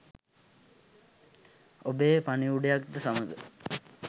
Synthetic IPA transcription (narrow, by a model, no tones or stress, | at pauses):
obeːpaniuɖejakd̪əsaməd̪ə